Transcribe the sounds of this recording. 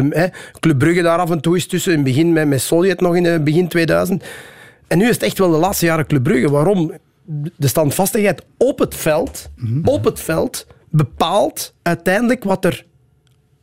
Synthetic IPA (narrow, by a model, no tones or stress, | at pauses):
əmɛklɵbrʏɣədaːɾɑvɛntuːɪstʏsəɪnbəɣɪnmɛmɛsoljɛtnɔxɪnəbəɣɪntʋeːdœ̰ːzənt | ɛnːyːɪsətɛxtʋɛlˠdəlaːtstəjaːɾəklɵbrɵɣəʋaːɾɔm | dəstɑntfɑstəxɦɛjtɔpɦətfɛlˠtɔpɦətfɛlˠt | bəpaːlˠtœɥtɛjndələkʋɑtər